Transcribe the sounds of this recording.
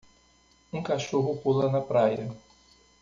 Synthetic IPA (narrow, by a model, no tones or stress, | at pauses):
ũkaʃoɦʊpolɐnɐpɾajɐ